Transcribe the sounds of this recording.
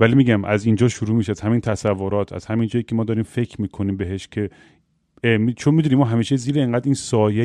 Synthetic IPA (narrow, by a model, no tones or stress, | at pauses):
vælimiːɟæmʔæ̰zind͡ʒɒːʃuɾuːmiːʃeæz̥hæmiːnt̪ʰæsævːoɾɒːt̪ʰæ̰z̥hæmind͡ʒɒːjicʰemɒːd̪ɒːɾiːmfekʰmiːkʰo̞niːmbe̞ɦeʃcʰe̞ | mit͡ʃʰonmid̪uniːmɒːɦæmiːʃe̞ziːɾeeŋɡæːd̪iːnsɒːje